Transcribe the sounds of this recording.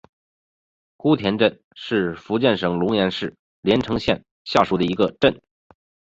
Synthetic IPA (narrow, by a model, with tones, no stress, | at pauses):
ku˥t̪ʰjɛ˧˥nʈ͡ʂə˥˧n | ʂɻ̩˥˩fu˧˥t͡ɕjɛ˥˩nʂɤ˧˩ŋlʊ˧˥ŋjɛ˧˥nʂɻ̩˥˩ | ljɛ˧˥nʈ͡ʂʰɤ˧˥ŋɕjɛ̰˥˧˩n | ɕja˥˩ʂu˧˥˩d̪ə˩i˧˥ɡə˧ʈ͡ʂə˥˩n